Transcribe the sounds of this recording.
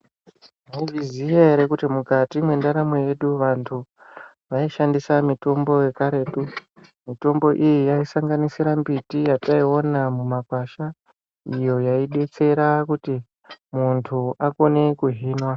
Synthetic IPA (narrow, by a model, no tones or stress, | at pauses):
aizizijaeɾe̞kutimukatimwe̞ndaɾamoje̞ɗuʋantʰu | ʋaiʃandisamito̞mbo̞je̞kaɾe̞ːtu | mito̞mbo̞ʔijijaisaŋɡanisiɾambitijataio̞namumakwaʃa | ijo̞jaiɗe̞t͡se̞ɾakuti | muntʰuako̞ne̞kuɦiːnwa